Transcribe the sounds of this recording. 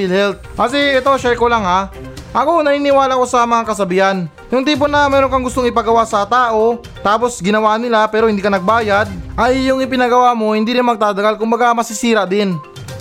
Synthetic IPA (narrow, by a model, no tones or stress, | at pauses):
lhɛlt̪̚kɐsɛɛt̪o̞ʃɛjkolaŋhaʔɐko̞nɐninɪwaːlɐko̞sɐmɐŋakɐsɐbɪhan | jʊŋt̪iːp̬onɐmɛːɾonkɐŋɡʊst̪o̞ŋɪpɐɡɐwasɐt̪aːʔo̞ | t̪aːpo̞sɡɪnɐwaːʔnɪlapɛːɾoɪnd̪iːkɐnɐɡ̚baːjad̪̚ʔɐjːʊŋɪp̬ɪnɐɡɐwamo̞hɪnd̪iːɾɪnmɐɡ̚t̪aːd̪ɐɡalkʊmbɐɡamɐsɪsiːɾɐʔd̪ɪn